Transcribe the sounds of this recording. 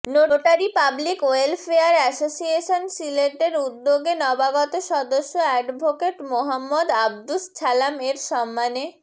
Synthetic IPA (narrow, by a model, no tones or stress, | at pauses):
noʈaɾipablikoelfeaɾɛsosieʃonsileʈeɾud̪ːoɡenɔbaɡɔt̪oʃɔd̪oʃːoɛɖbʱokeʈmoɦamːod̪ab̚d̪ust͡ɕʰalameɾʃɔmːane